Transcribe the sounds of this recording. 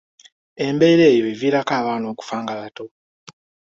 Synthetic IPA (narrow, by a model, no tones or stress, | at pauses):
e̞mbe̞ːɾe̞ːjo̞eviːɾakaːβaːno̞ːku̥faːŋɡaβato̞